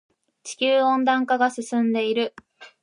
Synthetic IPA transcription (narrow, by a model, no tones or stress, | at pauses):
t͡ɕi̥kʲɨːõ̞nd̪ãŋkaɡasɨsɨ̃nd̪e̞iɾɯ̟